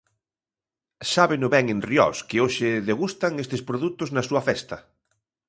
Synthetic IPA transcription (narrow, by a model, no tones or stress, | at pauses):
saβɪnʊβɛŋẽnrjɔ̰skɪoʃɪðeɣust̪aŋest̪ɪspɾoðut̪ʊznɐsuɐfɛst̪ɐ